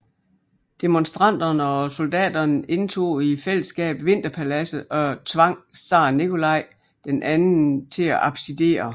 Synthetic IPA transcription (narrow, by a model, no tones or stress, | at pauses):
d̥emonsd̥ʁɑn̰d̥ɐnəɒ̽so̝ld̥ɛ̰ːd̥ɐne̝nt͡sʰo̝̰ːifel̰əsɡ̥ɛ̰ːb̥ʋe̝n̰d̥ɐpʰælæsəɒ̽t͡sʰʋɑ̈ŋ̰sɑ̰̈ːnikʰo̝lɑ̈ɪ̰ | d̥enʔæn̩t͡sʰe̝æʔɑ̈b̥side̝̰ːɐ